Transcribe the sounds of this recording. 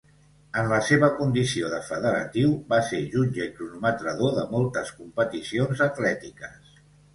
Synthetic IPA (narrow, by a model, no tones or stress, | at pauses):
ənləseβəkund̪isioðəfəðəɾə̰t̪iwβaseʒunʲʒəik̪ɾunumət̪ɾəðoðəmɔlˠt̪əskumpət̪isionzət̪lɛt̪ikəs